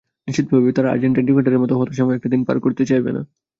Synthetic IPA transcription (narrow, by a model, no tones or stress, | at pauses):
niʃit̪̚bʱabit̪aɾaa̰ɾd͡ʑeɳʈeɳʈimeʈaɾeɾmɔt̪oɦɔt̪oʃɔmɔeɛk̚ʈad̪inpa̰ɾkoɾt̪et͡ɕajbḛna̰